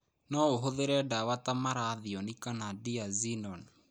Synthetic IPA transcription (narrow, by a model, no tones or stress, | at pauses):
nɔoɦoðeɾɛdawatamaɾaðiɔnikanadiazinɔn